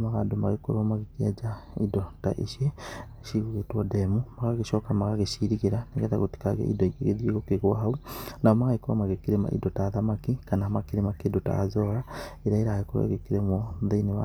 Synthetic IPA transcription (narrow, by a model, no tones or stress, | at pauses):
maɣadomaɣekoɾomaɣekiad͡ʒaidota̰ʔḭʃe | ʃiɣuɣetwɔdemumaɣaɣeʃɔkamaɣaɣeʃiɾiɣeɾaneɡɛðaɣuti̥kaɣḛʔḭdoikeɣeðiiɣokeɣwaɦaunaomaɣaikoɾa̰maɣekiɾema̰ʔḭdotaðamakikanaamakiɾemakedota̰azɔɣaiɾaiɾaaɣekoɾwḛɣekiɾemɔðeineβa̰